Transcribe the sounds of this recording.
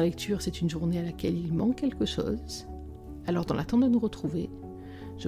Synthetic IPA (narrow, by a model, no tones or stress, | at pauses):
lɛkt̪ʰyʁsɛt̪ynʒuʁnealakʲɛlilmɑ̃kːɛlkəʃo̰ːz | alɔʁd̪ɑ̃lat̪ɑ̃d̪ənuʁət̪χuve | ʒ̥ə